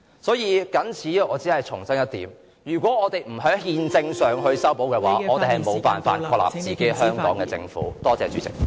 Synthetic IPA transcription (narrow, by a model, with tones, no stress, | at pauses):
sɔː˨˥jiː˨˧kɐ˨˥nt͡sʰiː˨˥jɛ˧ʔɔː˨˧t͡siː˨˥hɐ˨jt͡sʰʊ˨˩ŋsɐ˥ŋjɐ˥t̪̚ḭː˨˥m | jyː˨˩kʷwʷɔː˨˥ŋɔː˨˧t̪e˨jm̩˨˩ɦœ˨˥ŋhiː˧nt͡sɪ˧ŋsœː˨ŋɦɵ˧ɥsɐ˥wpo˨˥wkɛː˧wa̰ː˥˨˥ɔː˨˧t̪e˨jhɐ˨jmo˨˧wpa̰ː˨nfa̰ː˧t̚kkʰɔː˧la̰ː˨˩p̚t͡siː˨ke˨˥jɦœː˥ŋkɔː˨˥ŋkɛː˧t͡sɪ̰˧ŋfṵː˨˦˥t̪ɔː˥t͡sɛ̰ː˨t͡ʃy̰ː˨˥t͡sɪ̰˨˩k̚